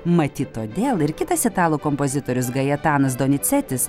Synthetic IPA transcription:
mɐt̪ʲiːt̪oːd̪ʲeːlˠɪɾkʲɪt̪ɐsʲɪt̪ɑːlˠuːkɔmpozʲɪt̪oːɾʲʊsɡɐjɛt̪ɑːnɐsd̪oːnʲɪt̪sʲɛt̪ʲɪs

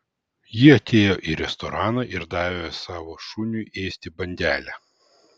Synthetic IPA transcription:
jɪɐt̪ʲeːjoːʔiɾʲɛst̪ɔɾɑːnɑʔɪɾd̪ɑːʋʲosɑːʋoːʃunʲuʔeːsʲt̪ʲɪbɐnʲd̪ʲæːlʲæ

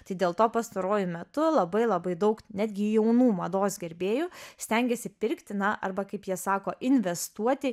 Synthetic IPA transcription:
t̪ɐɪd̪ʲeːlˠt̪oːpɐst̪ɐɾoɔːjʊmʲɛt̪ʊlˠɐbɐɪlˠɐbɐɪd̪ɐʊknʲæd̪ʲɡʲɪjɛʊnuːmɐd̪oːsɡʲɛɾʲbʲeːjʊsʲt̪ʲɛŋʲɡʲɛsʲɪpʲɪɾʲkt̪ʲɪnɐʔɐ̰rbɐkɐɪpjiɛsɑːkoːʔɪnʲʋʲɛst̪uɔt̪ʲɪ

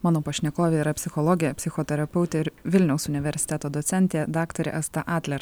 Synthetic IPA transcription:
mɑːnoːpɐʃʲnʲɛkoːʋʲeiɾɐpʲsʲɪxɔlˠɔɡʲɪjɛpʲsʲɪxoːt̪ʲɛɾɐpʲɛʊt̪ʲeɪɾʋʲɪlʲnʲɛʊsʊnʲɪʋʲɛɾʲsʲɪ̥t̪ʲɛt̪oːd̪ɔt̪sʲɛnʲt̪ʲed̪ɑːkt̪oːɾʲɛ̰ʔɐst̪ɐʔɑːt̪ʲlʲɛɾ

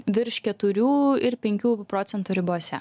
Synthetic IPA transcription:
ʋʲɪɾʃkʲɛt̪ʊɾʲuːɪɾpʲɛŋʲkʲuːpɾoːt̪sʲɛnt̪uːɾʲɪbuɔsʲɛ

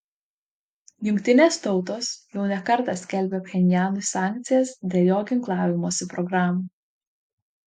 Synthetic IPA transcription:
jʊŋʲkʲt̪ʲɪnʲeːst̪ɒʊt̪oːsjɛʊnʲɛkɐɾt̪ɑsʲkʲɛlʲbʲepʲxʲɛnʲɪjæːnusɑːˑŋʲk̚t̪sʲɪjɛsd̪ʲeːljoːɡʲɪŋklˠɑːʋʲɪmoːsʲɪpɾɔɡɾɑːmu

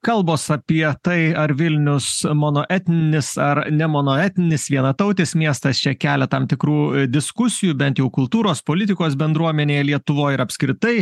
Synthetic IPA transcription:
kɐlˠboːsɐpʲiɛt̪ɐɪɐɾʋʲɪlʲnʲʊsmoːnoːʔɛt̪ʲnʲɪnʲɪsɐɾnʲɛmoːnoːɛt̪ʲnʲɪnʲɪsʋʲiɛnɐt̪ɐʊt̪ʲeːsmʲiɛst̪ɐst͡ʃʲɛkʲæːlʲɛt̪ɐmt̪ʲɪkɾuːd̪ʲɪskʊsʲɪjubʲɛnt̪jɛʊkʊlˠt̪uːɾoːspoːlʲɪt̪ʲɪkoːsbʲɛnd̪ɾuɔmʲɛnʲeːjɛlʲiɛt̪ʊʋoːjɪɾɐpʲsʲkɾʲɪt̪ɐɪ

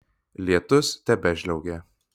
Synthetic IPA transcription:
lʲiɛt̪ʊst̪ʲɛbʲɛʒʲlʲɛʊɡʲɛ

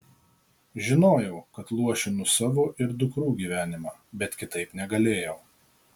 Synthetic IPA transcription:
ʒʲɪnoːjɛʊkɐt̪lˠuɔʃʲɪnʊsɑːʋoʔɪɾd̪ʊkɾuːɡʲiːʋʲæːnʲɪmɑːbʲɛt̪kʲɪt̪ɐɪpnʲɛɡɐlʲeːjɛʊ

